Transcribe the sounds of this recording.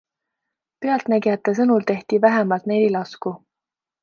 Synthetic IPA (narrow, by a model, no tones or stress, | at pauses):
peɑlt̪næɡiet̪ːes̬ɤnult̪e̞ht̪ivæɦemɑlt̪nelilɑsku